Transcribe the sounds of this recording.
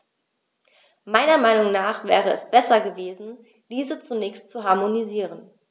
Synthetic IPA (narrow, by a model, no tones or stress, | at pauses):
maɪnɐmaɪnʊŋnaːχv̥ɛːʁəɛ̰sb̥ɛsɐɡəveːzn̩ | d̥iːzət͡sunɛːçstt͡suɦaɐmoniziːʁən